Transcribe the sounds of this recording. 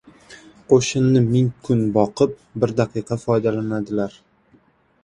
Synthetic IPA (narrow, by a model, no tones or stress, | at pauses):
qʰoʃɪnːɪmɪŋkʰʊnbɒqɨp̚bɪɾd̪aqɨqʰɑfɒjd̪alanad̪ɪlaɾ